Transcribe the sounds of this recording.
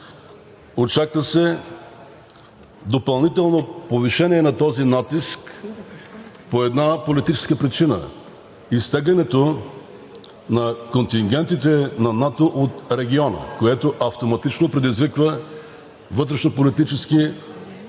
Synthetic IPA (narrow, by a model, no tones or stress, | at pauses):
ot͡ʃakvəsɛ | d̪opɐlˠnit̪ɛlˠnopoviʃɛniɛnɐt̪ɔzinat̪isk | poɛd̪napolit̪it͡ʃɛ̥skəpɾit͡ʃinə̰ | ist̪ɛɡlʲɛnɛt̪o | nɐkont̪iŋɡʲɛnt̪it̪ɛnɐnat̪oʔot̪ɾɛɡʲiɔnə̰koɛt̪oʔɐft̪omɐt̪it͡ʃnopɾɛd̪izvikvə | vɤt̪̬ɾɛʃnopolit̪it͡ʃɛski